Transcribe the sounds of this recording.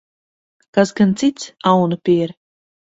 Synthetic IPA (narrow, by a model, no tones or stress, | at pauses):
kasɡant̪sit̪sawnupʲiːɾ